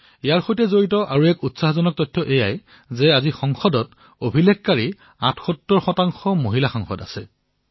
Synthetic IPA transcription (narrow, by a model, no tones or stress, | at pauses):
ijaɹxojtɛzoɹitɔʔaɹuɛkutsaɦɔzɔnɔk̚tɔjtʰːɔʔejaj | zɛazixɔŋxɔdɔt | obʱilɛkkaɹi | ã̰tʰxɔtːɔɹxɔtaŋxɔmoɦilaxaŋxɔ̰da̰sɛ̰